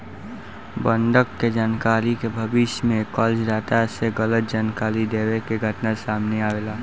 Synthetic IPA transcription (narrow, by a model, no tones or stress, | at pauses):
bə̃ɳɖəkːed͡ʒaːnkaːɾikebʱəbɪʃjmẽkɔːled͡ʒdaːt̪aseɡələt̪̚d͡ʒaːnkaːɾid̪eːwekeɡʱəʈnasaːmneaːʋeːlaː